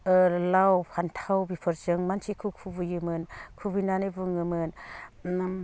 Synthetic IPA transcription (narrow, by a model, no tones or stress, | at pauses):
lawpʰantʰawbipʰɯɾzɯŋmant͡ʃʰikʰɯkʰubujɯmɯnkʰubɯnanɯbɯŋɯmɯn